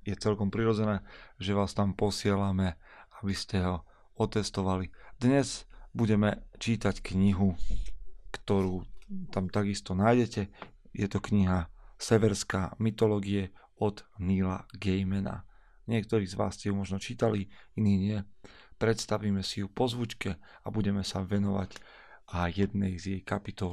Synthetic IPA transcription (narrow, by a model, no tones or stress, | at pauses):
jɛt͡sɛlkɔmpɾiɾɔd͡zɛnɛːʒɛʋaːst̪ampɔsɪɛlamɛ | abiscɛɦɔ | ɔt̪ɛst̪ɔʋalid̪ɲɛzbuɟɛmɛt͡ʃiːt̪ackɲiɦu | kt̪ɔɾuːt̪amt̪aɡist̪ɔnaːjɟɛcɛ | jɛt̪ɔkɲiɦasɛʋɛɾskaːmit̪ɔlɔːɡiɛ | ɔd̪niːla̰ɡɛjmɛna̰ | ɲɪɛk̚t̪ɔɾiːzʋa̰ːscɛjumɔʒnɔt͡ʃiːt̪aliiniːɲɪɛ | pɾɛt̪st̪aʋiːmɛsijupɔzʋut͡ʃkɛ | abuɟɛmɛsaʋɛnɔʋa̰ɟ | ʔajɛd̪nɛjzjɛjkapit̪ɔ